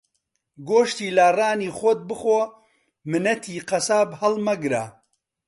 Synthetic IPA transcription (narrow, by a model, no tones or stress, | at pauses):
ɡoːʃt̪iːlaːraːniːχot̪̚bɨχo | mɨnɐt̪ʰiːqɐsaːbhɐlmɐɡɾa